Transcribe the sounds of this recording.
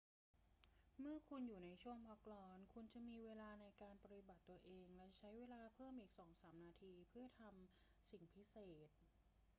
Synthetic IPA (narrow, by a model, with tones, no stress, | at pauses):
mɯ˥˩ɐkʰu˧njuː˨˩na˧jt͡ɕʰu˥˩əŋpʰɔ˦˥k̚lɔː˧˥nkʰu˧nt͡ɕa˨˩miː˧weː˧laː˧na˧jkaː˧npa˧t̪i˨˩ba˨˩t̪ːu˧ɐʔeː˧ŋlɛ˦˥t͡ɕʰa˦˥jweː˧laː˧pʰɤː˥˩mʔiː˨˩k̚sɔː˩˦ŋsaː˩˦mnaː˧t̪ʰiː˧pʰɯ˥˩ɐt̪ʰa˧m | si˨˩ŋpʰi˦˥seː˨˩t̪̚